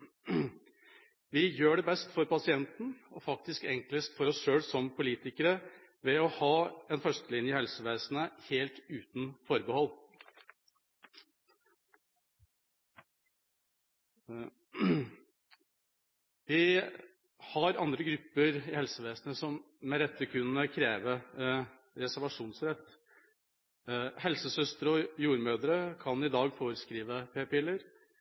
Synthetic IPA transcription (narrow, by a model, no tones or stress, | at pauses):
ʋɪjøːɖɛbɛst̪fɔɾpɑsɪɛnt̪n̩ɔfɑk̚t̪ɪskɛŋkləst̪fɔɾɔsʂøːlsɔmpʰʊliːt̪ɪkəɾə | ʋɛɔhɑːɛnfœʂt̪əlɪnjəhɛlsəʋeːsnəheːlt̪ʉːt̪n̩fɔɾbəhɔlː | ʋɪ | hɑɾɑnd̪ɾəɡɾʉpːəɾɪhɛlsəʋeːsnəsɔmː | ɛɾɛt̪ːəkʰʉnnəkʰɾeːʋə | ɾɛsæɾʋɑʂuːnsɾɛt̪ː | hɛlsəsœst̪əɾɔjuːɾmøːd̪ɾəkʰɑnɪd̪ɑːɡfoːɾəskɾiːʋəpʰeːpɪlːəɾ